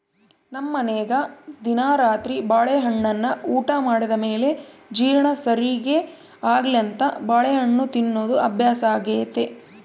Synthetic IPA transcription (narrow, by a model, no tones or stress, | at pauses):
nɐmːɐnɛːɡɐd̪inaːɾaːt̪ɾibaːɭeɦɐɳːɐnːɐuːʈɐmaːɽid̪ɐmeːle̞d͡ʒiːɾɐɳɐsɐɾiɡe | aːɡliɐnt̪ɐbaːɭeɦɐɳːut̪inːo̞ːd̪uʔɐbʱjaːsaːɡeːt̪e